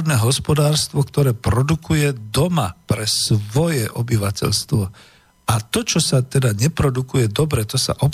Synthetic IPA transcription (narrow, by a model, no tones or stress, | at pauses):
d̪nɛːɦɔspɔd̪aːɾst̪ʋɔkt̪ɔɾɛːpɾɔd̪ukujɛd̪ɔmapɾɛsʋɔjɛʔɔbiʋacɛ̰ʎst̪ʋɔ | at̪ɔt͡ʃɔsat̪ɛd̪aɲɛpɾɔd̪ukujɛd̪ɔbɾɛt̪ɔsa̰ʔɔp